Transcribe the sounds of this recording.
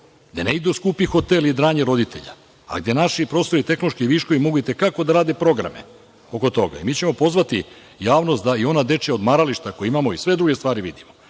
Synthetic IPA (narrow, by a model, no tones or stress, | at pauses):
d̪eneid̪uskuːpixo̞t̪elid̪ɾaːɲeɾo̞d̪it̪e̞̰ʎa̰ | a̰ɡd̪je̞naʃipɾo̞ːst̪o̞ɾit̪e̞xnot͡ʃkiʋiːʃkoʋimo̞ɡuit̪e̞kako̞d̪aɾaːd̪e̞pɾo̞ɡɾa̰mḛ | o̞ko̞t̪o̞ɡa̰imiːt͡ɕe̞mo̞po̞zʋat̪i | jaːʋnost̪d̪aio̞nad̪e̞t͡ʃjao̞d̪maɾaliʃt̪ako̞jeimamo̞isʋe̞d̪ɾuɡest̪ʋaːɾiʋid̪imo